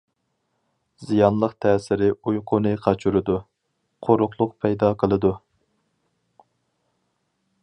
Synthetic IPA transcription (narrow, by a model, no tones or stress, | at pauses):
z̥ijɑnlˠəqt̪ʰɛːsɪɾɪujqʰʊnɨqʰɑt͡ʃʰyɾɨd̪u | qʰoɾʊχlˠʊqpʰɛjd̪ɑqʰəlˠɨd̪u